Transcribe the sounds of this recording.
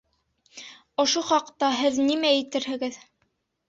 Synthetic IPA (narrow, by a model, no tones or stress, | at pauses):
ŏʃoχɑqt̪ɑɦɘðnimæjɘ̆t̪ɘɾhɘ̆ɡɘð